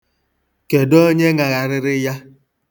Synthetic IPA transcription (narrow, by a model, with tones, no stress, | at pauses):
ke˨do˦ɲe˦ŋa˨ɣa˨ɾɪ˦ɾɪ˦ja˦